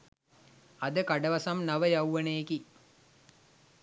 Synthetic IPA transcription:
ɐd̪əkaɖəʋasamnaʋəjawʋəneeki

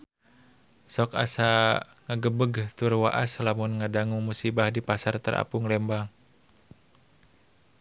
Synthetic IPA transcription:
sɔka̰sa | ŋaɡəbəɡt̪urwa̰ʔaslamunŋadaŋuŋmusibahdipasart̪əɾa̰pʊŋlɛmbaŋ

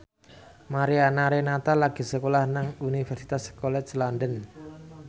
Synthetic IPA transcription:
maɾianaɾenat̪alaɡ̥i̤səkolahnaŋunifɛrsi̥t̪askolɛt̪slandən

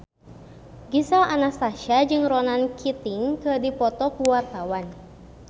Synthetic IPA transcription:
ɡisalʔanasaʃad͡ʒɨŋrɔnankʰit̪iŋkɨdipɔt̪ɔkuwart̪awan

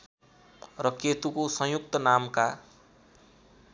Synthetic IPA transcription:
rʌkjet̪ukosʌ̃juk̚t̪ʌnamka

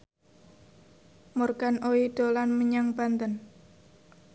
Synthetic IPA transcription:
morɡanʔoiɖ̥olanməɲaŋbant̪ən

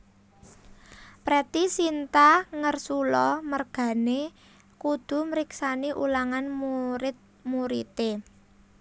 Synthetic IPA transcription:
pɾɛt̪isint̪aŋərsulɔmərɡ̥ä̤ne | kud̪̥ṳmɾiksaniʔṵlaŋanmuɾɪt̪̚ | muɾḭt̪e

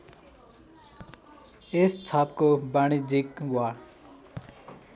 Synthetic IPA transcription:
est͡sʰapkobaɽ̃id͡zikwa

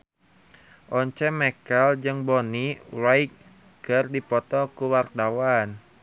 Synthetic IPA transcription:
ʔɔɲt͡ʃɛmɛkəld͡ʒɨŋbɔnirajk̚ | kərdipɔt̪ɔkuwart̪awan

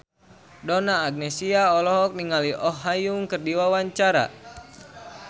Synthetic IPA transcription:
dɔnaːɡ̚nesiaɔlɔɦɔk̚niŋaliʔɔɦːajuŋkərdiwawaɲt͡ʃaɾa̰

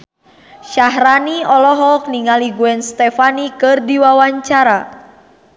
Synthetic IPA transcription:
ʃaɦraniɔlɔɦɔk̚niŋaliɡuɛnst̪ɛfanikɨrdiwawaɲt͡ʃaɾa

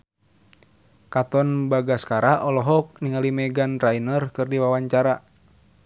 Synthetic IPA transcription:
kat̪ɔnbaɡaskaɾaʔɔlɔɦɔk̚niŋalimɛɡanrainərkɨrdiwawaɲt͡ʃaɾa

